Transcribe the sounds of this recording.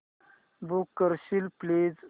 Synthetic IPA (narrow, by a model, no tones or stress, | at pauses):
bukːəɾɕilpled͡z